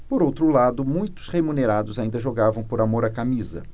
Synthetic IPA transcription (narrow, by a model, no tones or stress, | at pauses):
poɾowt̪ɾʊlad̪ʊmũj̃t̪ʊ̥sʁemũneɾad̪ʊzaĩnd̪ɐʒoɡavɐ̃w̃poɾamoɾɐkamizɐ̰